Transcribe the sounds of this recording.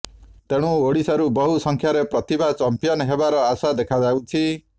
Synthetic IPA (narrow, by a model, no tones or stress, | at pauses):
t̪eɽ̃ũoɽisaɾubɔɦusɔŋkʰjaɾepɾɔt̪ibʱat͡ʃɔmpijɔnɔɦebaɾɔasad̪ekʰad͡ʒawt͡ʃʰi